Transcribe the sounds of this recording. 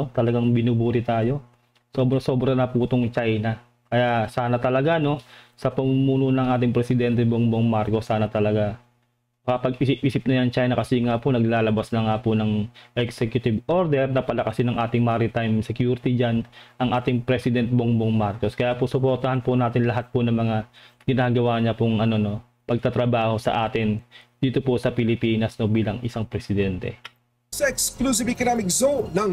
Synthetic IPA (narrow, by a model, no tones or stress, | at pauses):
t̪ɐlɐɡaŋbɪnubuːɾɪt̪aːjo̞ | soːbɾɐso̞ːbɾɐnɐpuːt̪oŋt͡ʃajna | kɐjasaːnɐt̪ɐlɐɡano̞sɐpɐmumuːnʊnɐŋʔaːt̪ɪŋpɾɛsɪd̪ɛnt̪ɛboŋboŋmaɾko̞sːaːnɐt̪ɐlɐɡa | mɐkapɐɡʔisɪp̚ʔiːsɪp̚nɐjɐŋt͡ʃajnɐkɐsiŋaːponɐɡ̚laːlɐbasnɐŋaːpʊnɐŋʔɛksɛkjʊt̪ɪbʔo̞ɾd̪ɛɾnɐpɐlɐkɐsɪnɐŋʔaːt̪ɪŋmaːɾɪt̪ajmsɛkjuːɾɪt̪ɪd͡ʒanʔɐŋʔaːt̪ɪŋpɾɛsɪd̪ɛnt̪̚boŋboŋmaɾko̞skɐjaːposʊpoɾt̪ɐhɐnpʊnaːt̪ɪnlɐɦat̪̚pʊnɐŋmɐŋaɡɪnaːɡɐwaːɲɐpʊŋʔɐno̞no̞ | pɐɡ̚t̪at̪ɾɐbaːho̞sɐ̰ʔaːt̪ɪnd̪̥iːt̪o̞posɐpɪlɪpiːnɐsno̞biːlɐŋʔɪsaŋpɾɛsɪd̪ɛnt̪ɛ̰ | sɐɛksklus̬ɪvɪkonamɪkzonɐŋ